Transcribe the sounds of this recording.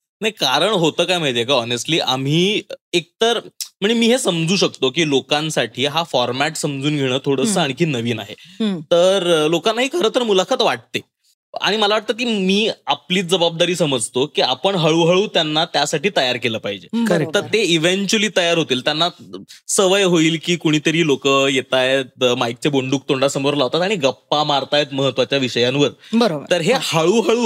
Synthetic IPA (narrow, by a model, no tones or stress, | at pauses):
najkaɾəɳɦot̪əːkajm̤əɳeekaɔnesʈliːʔa̰m̤iːek̚t̪əɾm̤əɳ̃emiːɦesəmd͡zuːɕək̚t̪okiːlokãnsaʈʰiːɦafɔɾmæʈsəmd͡zuːnɡʱeɽ̃əːt̪ʰoɽəsəːaɽ̃ikiːnəʋiːna̰ɦet̪əɾlokanːaɦiːkʰəɾəːt̪əɾmulakʰat̪ʋaʈ̚t̪e | a̰ɽ̃iməlaʋaʈ̚t̪əːk̬iːmiːapliːt͡sd͡zəbab̚d̪aɾiːsəməd͡zt̪okiːapəɳɦaɭuːɦaɭuːt̪janːat̪jasaʈiːt̪əjaɾkeləpaɦid͡ʑekəɾt̪əɾt̪eiʋeɲt͡ɕuəliːt̪əjaɾɦot̪iːlt̪janːasəʋəjɦoiːlkiːkuɽ̃iːt̪əɾiːlokəjet̪ajt̪majk̚t͡ɕeboɳɖuːk̚t̪oɳɖasəmoɾlaɦot̪at̪aɽ̃iɡəpːamaɾt̪ajet̪məɦət̪ʋat͡ɕjaʋiɕəjãnʋəɾbəɾobəɾəɾɦehaɭuːɦaɭuː